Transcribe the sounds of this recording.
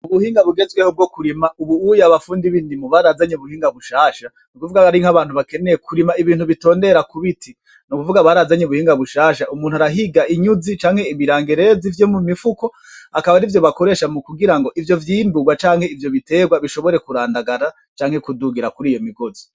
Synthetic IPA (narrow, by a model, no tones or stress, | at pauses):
uβuhiːŋɡaβuɡe̞zɡwehob̚ɡo̞kuɾimaʔuβuujaβafuːndiβindimuβaɾazaɲeβuhiːŋɡaβuʃaːʃa | nukuvuɡaaɾiŋhaβaːnhuβake̞nejekʰuɾimaiβiːn̥thuβito̞ːnde̞ɾakuβitʰi | nukuvuɡaβaɾazaɲeβuhiːŋɡaβuʃaːʃaʔumuːn̥uaɾaɦiɡaʔiɲuzit͡ʃaːŋhe̞imiɾaːŋɡeɾe̞zivjo̞mumifuko̞ | akaβaɾivjo̞βako̞ɾe̞ːʃamukuɡiɾaŋɡo̞ʔivjo̞vjiːnbuɡwat͡ʃaːŋ̥he̞ivjo̞βite̞ːɡwaβiʃo̞βo̞ɾe̞kuɾaːndaɡaɾa | t͡ʃaːŋhe̞kuduɡiɾakuɾiːjomiɡo̞zi̥